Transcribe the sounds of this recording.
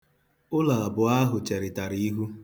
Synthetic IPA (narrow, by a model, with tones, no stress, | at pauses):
ʊ˦la˨a˨bʊ˨a˦ɦʊ˨t͡ʃe˨ɾɪ˨ta˨ɾi˦i˦ɦu˦